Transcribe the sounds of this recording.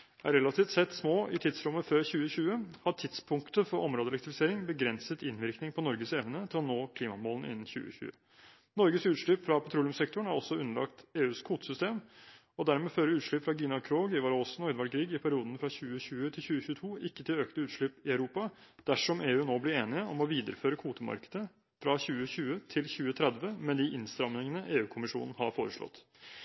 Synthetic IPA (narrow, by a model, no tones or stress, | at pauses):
æ̰ɾɛlɑt̪ʰiːft̪sɛt̪ːsmoːʔɪt̪ʰɪd̪sɾʊmːəføːɾçʉːəçʉːəhɑʈʰɪd̪spʰʊŋkt̪əfɔɾʔɔmɾoːd̪əlɛkt̪ɾɪfɪseːɾɪŋbəɡɾɛnsət̪ɪnʋɪɾknɪŋpʰɔnɔɾɡəsɛʋnət̪ʰɪlɔnoːkʰliːmɑmoːln̩ʔɪ̰nːn̩çʉ̰ːə̰çʉ̰ːə̰ | nɔɾɡəsʉːt̪ʂɭʏpːfɾɑpʰɑt̪ʰɾuːlɪʉmsɛkt̪ʊɳ̩æɾɔsːɔʉnːəɭɑ̰kt̪eːʉːskʰuːt̪sʏst̪eːm | ɔd̪æɾmɛːføːɾəɾʉːt̪ʂɭʏpfɾɑɡinɑkʰɾoːɡɪʋɑːɾosn̩ɔʏd̪ʋɑɽɡɾiːɡɪpʰæɾɪuːd̪ən̩fɾɑçʉːəçʉːət̪ʰɪlçʉːəçʉːət̪ʰuːɪkːət̪ʰɪløːkt̪əʉːt̪ʂɭɪpɪœʉɾuːpɑd̪̥æʂɔmeːʉːnoːblɪɾeːnɪəʔɔmɔʋiːd̪əɾəføːɾəkʰuːt̪əmɑ̰ɾkəd̪ə | fɾɑçʉːəçʉːət̪ʰɪlçʉːət̪ʰɾɛd̪ʋəmɛd̪ɪʔɪnst̪ɾɑmnɪŋənəʔeːʉːkʰʊmɪʂṵːnn̩hɑɾfoːɾəʂɭɔ̰t̪ː